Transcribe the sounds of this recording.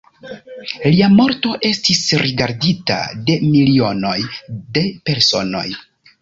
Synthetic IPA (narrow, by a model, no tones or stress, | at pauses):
liamo̞ɾto̞ʔe̞stisɾʔiɡaɾdita̰de̞milio̞no̞jde̞pe̞ɾso̞̰no̞̰j